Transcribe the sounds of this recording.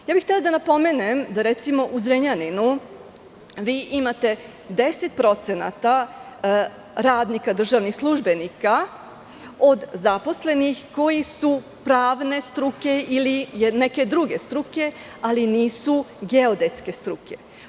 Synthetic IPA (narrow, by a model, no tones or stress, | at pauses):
jaːbixt̪elad̪anapo̞menemd̪aɾet̪simo̞ʔuzɾeɲaninu | ʋiːʔimat̪e̞ | d̪e̞set̪pɾo̞t̪sena̰t̪a | ɾaːd̪nikad̪r̩ʒaʋnixslˠuʒbe̞nika | o̞d̪zapo̞sle̞nixko̞jisu | pɾaːʋne̞st̪ɾuke̞ilijneke̞d̪ɾuɡe̞st̪ɾuke̞ | aliniːsuɡeod̪et̪ske̞st̪ɾuke̞